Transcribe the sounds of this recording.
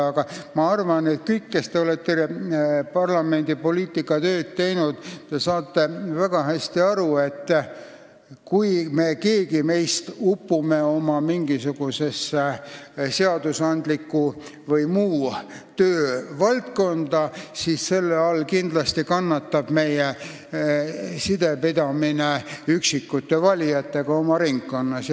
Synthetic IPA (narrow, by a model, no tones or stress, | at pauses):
ɑɡ̥ɑmɑɑrvɑne̞t̪̚kɤjkːe̞st̪e̞o̞le̞t̪ːe | pɑrlɑme̞nd̪̥ipo̞liːt̪ːˑikːˑɑt̪ø̞ːd̪̥̚t̪e̞jnud̪̥t̪e̞sɑːt̪ːe̞væɡ̥ɑɦæsʲt̪iɑɾue̞t̪ː | kujme̞ke̞ːɡime̞jst̪upːume̞o̞mɑmiŋɡ̥isuɡ̥use̞s | seɑd̪̥usɑnd̪̥likːu | vɤjmuː | t̪øːvɑlt̪ko̞nd̪̥ɑsisse̞lːeɑlkind̪̥lɑst̪ikɑnːɑt̪ːɑb̥me̞je | sid̪̥epid̪ɑmineyksikːut̪ːe̞vɑlʲijɑt̪ːe̞ɡ̥ɑo̞mɑɾiŋkːonːɑs